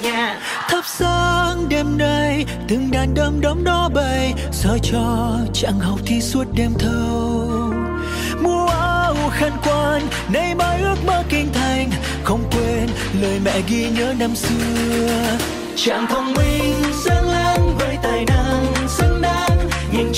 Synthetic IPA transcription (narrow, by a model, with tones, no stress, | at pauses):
ɲ˧ | t̪ʰə˦˥p̚saː˧ŋɗe˧mnə˧j | t̪ɨ˨˩ŋɗaː˨˩nɗə˨˦ŋ͡mɗə˨˦ŋ͡mɗɔ˧˦ɓə˧j | zəː˧˩t͡ɕɔ˧t͡ɕa̰˧˨ŋha˨˩wk͡p̚t̪ʰi˧swə˦˥t̚ɗe˧mt̪ʰə˧w | mu˧əʔaː˧˦ʔu˧˩xa˧nkwaː˧nː | ə˧˦jmaː˧jʔɨ˦˥ək̚ɓaː˧kï˧ŋ̟t̪ʰa˨˧˩jŋ̟ | xə˧wŋ͡mkwe˧n | ləː˨˩jmɛ̰˧˨ɣi˧ɲəː˨˦na˧msɨ˧əəə | t͡ɕa̰ː˧˨ŋt̪ʰə˧wŋ͡mmi˧ŋsə˧ŋlaː˧˥ŋvəː˨˦jt̪aː˨˩jna˧˥ŋsə˧ŋna˧˦˥ŋɲi˨ŋ